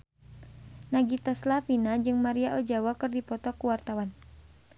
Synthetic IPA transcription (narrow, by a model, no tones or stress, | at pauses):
naɡit̪ɔslafinad͡ʒɨŋmaɾiaʔɔd͡ʒawakɨrdipɔt̪ɔkuwart̪awan